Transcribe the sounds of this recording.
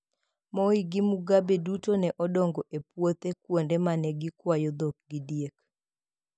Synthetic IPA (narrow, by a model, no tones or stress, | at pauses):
mɔiɡɪmuɡabedutonɛʔɔdɔŋɡɔʔepwot̪ekwondemanɛɡɪkwajɔd̪ok̚ɡidjek